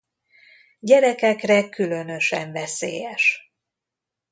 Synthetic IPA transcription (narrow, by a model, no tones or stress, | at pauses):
ɟɛɾɛkɛkrɛkylø̞nø̞ʃɛ̰ɱvɛsḛːjɛʃ